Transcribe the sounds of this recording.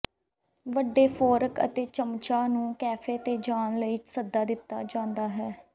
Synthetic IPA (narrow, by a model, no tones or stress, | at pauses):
ʋəɖːeːpʰoːɾəkə̰t̪eːt͡ʃəmt͡ʃaːnũːkɛːpʰeːt̪eːd͡ʒaːnləiːsəd̪ːaːd̪ɪt̪ːa̰ːd͡ʒãːnd̪aːɦɛː